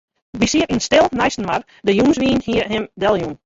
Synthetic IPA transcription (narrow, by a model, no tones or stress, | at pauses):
bisiətn̩stɪlˠnɛjsn̩ʋar | dəjumsʋiːənhiəɦɪmdɛlˠjun